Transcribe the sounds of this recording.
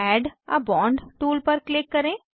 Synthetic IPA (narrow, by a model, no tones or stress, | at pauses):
ɛːɖɐ̰bɔ̃ːɳɖʈuːlpəɾklɪkːəɾẽː